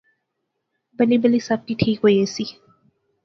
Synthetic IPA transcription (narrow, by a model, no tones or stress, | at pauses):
bəlibəlisɐb̚ʈ̪iʈʰiːkɦojesi